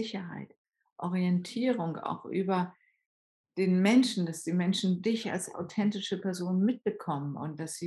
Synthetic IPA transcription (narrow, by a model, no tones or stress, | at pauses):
ɪçɐɦa̰ɪt | ʔɔʁiɛntʰiːʁʊŋa̰ʊxʔyːbɐ | d̥eːnmɛnʃn̩d̥asd̥iːmɛnʃn̩dɪça̰lsa̰ʊtʰɛntɪʃəpɛɐzoːnmɪt̚b̥əkʰɔmənʊ̰nt̚d̥asz̥iː